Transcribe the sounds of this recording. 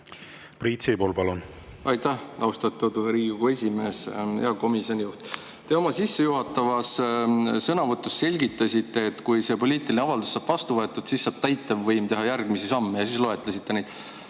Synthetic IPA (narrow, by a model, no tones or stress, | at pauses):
priːt̪sipolpɑlun | ɑjt̪æhɑwst̪ɑt̪ːˑut̪uɾiːɡuɡoe̞sʲime̞ːsjɑko̞misonʲijuht̪ | t̪e̞o̞mɑsisːe̞juɦɑt̪ːˑɑvɑssɤnɑvɤt̪ˑːusːe̞lʲɡit̪ːˑɑsit̪ːe̞ːt̪ːkujse̞po̞lʲiːt̪ˑilʲineɑvɑld̪usːɑːb̥vɑst̪uvɤet̪ːˑud̪̥sisːɑːb̥̚t̪æjt̪ːˑɑvːɤjmt̪e̞ɦɑjærɡ̥misisɑmːejɑsiːslo̞e̞t̪ˑlɑsʲit̪ːe̞nejd̪̥